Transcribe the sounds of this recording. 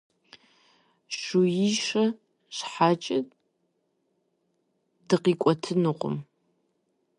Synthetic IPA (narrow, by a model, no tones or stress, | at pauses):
ɕujiʃɐ | ɕħaːt͡ʃʼɪ | d̥ɨqiːkʷʼɔtʰɨnɨqʷʊ̰m